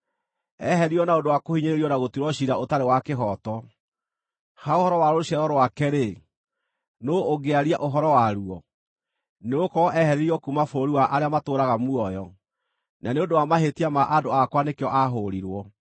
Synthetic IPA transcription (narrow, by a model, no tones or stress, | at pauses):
ɛhɛɾiɔnaondowakohiɲeɾeɾiɔnaɣotiɾwɔɕiɾaotaɾewakeɦɔtɔ | haohɔɾɔwaɾoɕjaɾɔɾowakɛɾe | noːɡeaɾiaʔoɦɔɾɔwaɾuɔ | neokɔʔɛhɛɾeɾiɔkumafoɾiwaʔaɾeamatoːɾaɣamuɔjɔ | naneondowamaɦetiamaʔadoakwanekeɔʔaɦoɾiɾwɔ